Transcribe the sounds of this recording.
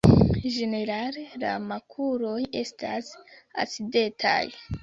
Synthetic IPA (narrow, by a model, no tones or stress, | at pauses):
ʒe̞ne̞ɾalela̰makʰuɾo̞je̞stʰasa̰side̞tʰa̰j